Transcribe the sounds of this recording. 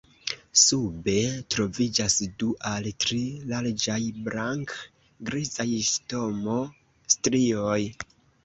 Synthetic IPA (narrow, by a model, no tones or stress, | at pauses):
sube̞tɾo̞vid͡ʒasduʔaltɾilaɾd͡ʒajbɾaŋk | ɡɾizajsto̞mo̞ | stɾioj